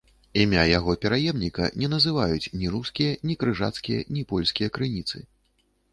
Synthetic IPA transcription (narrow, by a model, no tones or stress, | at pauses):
imʲajaɣɔpʲɛɾajɛmnʲikɐ̰nʲɛnɐzɨvajut͡sʲnʲiɾuskʲijɐnʲikɾɨʐa̰t̪skʲijɐ̰nʲipɔlʲsʲkʲijɐkɾɨnʲit̪sɨ